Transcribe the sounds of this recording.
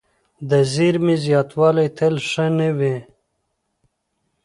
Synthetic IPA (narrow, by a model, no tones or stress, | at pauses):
d̪əziɾmizjɑːt̪wɑːlajt̪ʰelʂənewẽ